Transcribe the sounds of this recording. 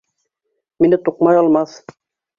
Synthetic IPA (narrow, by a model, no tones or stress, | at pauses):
minɘt̪uqmajɔlmas